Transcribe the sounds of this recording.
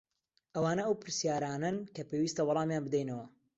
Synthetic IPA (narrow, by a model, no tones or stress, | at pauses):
ʔɐwaːnɐɐwpɨɾsjaːɾaːnɐnkɐpewist̪ɐwɑlˠɑːmjaːnbɨd̪ɛjnɐwɐ